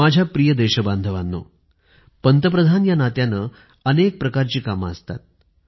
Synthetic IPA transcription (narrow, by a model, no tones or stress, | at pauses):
ad͡ʑʱjapɾijəd̪eɕəband̪ʱəʋanːo̰ | pənt̪əp̬ɾəd̪ʱanjanat̪janə | ənek̚pɾəkaɾt͡ɕiːkaməəst̪a̰t̪̚